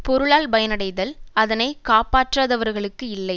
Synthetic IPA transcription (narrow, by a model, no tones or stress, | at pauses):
pɔɾɯɭaːlbɐjɐnɐɽɐɪðɐlɐðɐnɐɪkaːpaːʈraːðɐʋɐɾɣɐɭɯkːɯɪlːɐɪ